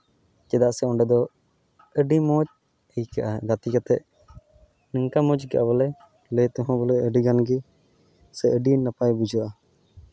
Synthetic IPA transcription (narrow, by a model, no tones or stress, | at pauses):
kɛd̪aʔsɛɔɳɖɛd̪ɔ | əɖimɔt͡ʃ | əjkaʔaɡat̪ikat̪ɛ̰ʔ̚ | nəŋkamɔ̃d͡ʒɡɛʔabɔlɛ | lɛt̪ɔɦɔ̃bɔlɛəɖiɡanɡi | sɛʔəɖinnapajbud͡ʒuʔa